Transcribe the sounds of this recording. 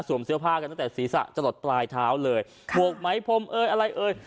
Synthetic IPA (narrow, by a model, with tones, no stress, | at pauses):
su˨˩˦msɯ˦˥əpʰaː˥˩ka˧a˥˩t̪ːsiː˩˦sa̰˨˩ʔt͡ɕa˧lo˨˩t̪̚plaː˧jt̪ʰaː˦˥wlɤː˧j | mu˨˩ək̚ma˦˥jpʰo˧˥mʔɤː˧jʔa˧ɾa˧jʔɤː˧j